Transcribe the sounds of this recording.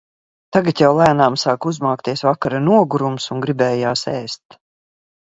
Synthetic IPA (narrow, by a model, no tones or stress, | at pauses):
t̪aɡat̪jawlˠæːnaːmsaːkuzmaːkt̪iɛsvakaɾanuɔɡuɾumsuŋɡɾibɛːjaːsɛ̰ːst̪